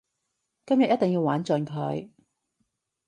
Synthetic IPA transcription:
kɐ˥mjɐ˨t̚jɐ˥t̪̚ɪ˨ŋjiː˧waː˨˥nt͡sɵ˨˧nkʰɵ˨˧ɥ

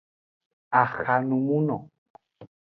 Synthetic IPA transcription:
a˨xa˨nũ˨mũ˦nɔ˨

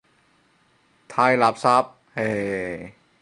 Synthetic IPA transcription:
t̪ʰa˧˩jla˨˧˩p̚sa˦˥p̚he˧˩

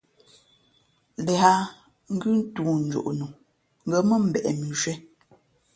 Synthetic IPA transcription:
lɛ˨ha˦ | ŋ̩˦ɡʉ˦n̩˦tuː˨n̩˦d͡ʒo̰˨ʔnu˨ | ŋ̩˦ɡə˨mə˦m̩˦˨bɛ˨ʔɛ˨mi˨ʃwɛ˦

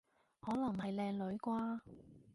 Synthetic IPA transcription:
hɔː˨˥lɐ˨˩ŋhɐ˨jlɛː˧ŋlɵ˨˧˥ɥkʷaː˧˥

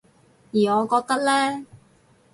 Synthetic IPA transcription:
jiː˨˩ŋɔː˨˧kɔː˧k̚t̪ɐ˥k̚lɛː˥

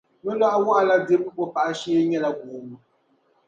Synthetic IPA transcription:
mɛ˦la˦ʔa˦wa˦ʔa˨la˦de˦m˦o˦pa˦ʔa˦ʃi˦e˦ɲɛ˦la˨ɡo˨mɨ˦

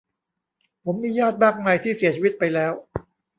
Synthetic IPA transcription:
pʰo˩˦mːiː˧jɔː˥˩t̪̚maː˥˩k̚ma˧jt̪ʰiː˥˩si˨˩˦ɐt͡ɕʰiː˧ʋi˦˥t̪̚pa˧jlɛː˦˥w

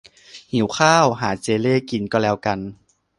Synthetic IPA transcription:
hi˩˦wxʰaː˥˩wɦaː˩˦t͡ɕeː˧leː˥˩ki˧nkɔː˥˩lɛː˧˥wka˧n

